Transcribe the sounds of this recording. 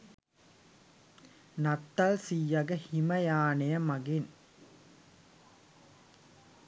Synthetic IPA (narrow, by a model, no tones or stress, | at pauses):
nat̪ːalsijːɐɡɐhimɐjaːnejɐmɐɡin